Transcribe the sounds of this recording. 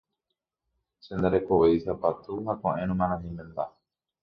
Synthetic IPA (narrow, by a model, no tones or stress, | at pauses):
send̪aɾe̞koβejsapat̪uɦakõʔẽɾ̃ũmãɾãɲĩmẽnd̪a